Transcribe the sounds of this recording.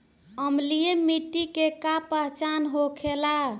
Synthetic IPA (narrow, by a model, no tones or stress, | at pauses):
əmlijemiʈːikekapəɦt͡ʃanɦokʰela